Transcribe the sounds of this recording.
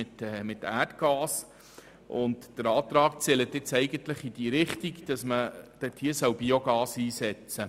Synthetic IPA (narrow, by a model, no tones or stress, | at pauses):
ɪt̪ɛmɪt̪æːtɡ̥ɑːs | ʔʊntd̥əɾɑːt̪ɾɑːk̚t͡sɛlət̪ɪt͡sɛɪɡənt̪ləχid̥iːɾɪχtiɡd̥ɑsməd̥ɛthiəsœwbioɡ̥ɑːsiːsɛt͡sə